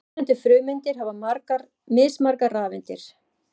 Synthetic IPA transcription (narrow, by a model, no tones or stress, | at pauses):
ʏnt̪ɪfɾʏːɥmɪnt̪ɪɾ̥ɦavamɾka | mɪːsmaɾkaraːvɪnt̪ɪ̰ɾ̥